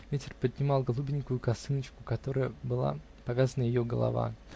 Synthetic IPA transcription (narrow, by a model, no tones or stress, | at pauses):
vʲetʲɪrpəd̪ʲnʲɪmɑlˠɡɐlˠubʲɪnʲkʊjʊkɐsɨnət͡ɕkʊkɐt̪o̞ɾəjəbɨlˠa̰ | pɐvʲazənəjɪjoɡə̰lˠɐ̰va̰